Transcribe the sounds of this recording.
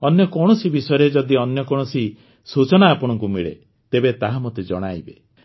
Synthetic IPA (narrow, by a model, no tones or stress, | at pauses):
ɔnjɔkɔɽ̃ɔsibisɔjɾed͡ʒɔd̪iɔnjɔkɔɽ̃ɔsi | sut͡ʃɔɽ̃aːpɔɽ̃ɔŋkumiɭḛ | t̪ebet̪aɦamot̪ed͡ʒɔ̰ɽ̃ajbe